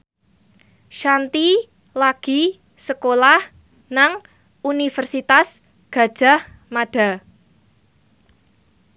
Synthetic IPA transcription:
ʃant̪i | laɡ̥i̤ | səkolah | naŋ | unifərsit̪as | ɡ̥ä̤d̥ʒ̥a̤h | maɖ̥a̤

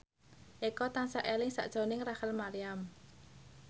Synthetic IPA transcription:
ʔekɔt̪aŋsaʔelɪŋsa̰ʔd̥ʒ̥o̤nɪŋrahəlmaɾiam

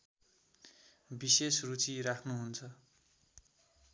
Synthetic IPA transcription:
bisesrut͡sirakʰnuɦunt͡sʰʌ

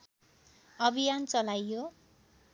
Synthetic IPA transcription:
ʌbʱijant͡sʌlajːo

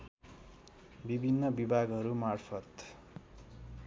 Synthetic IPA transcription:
bibʱinːʌbibʱaɡɦʌɾumarpʰʌt̪

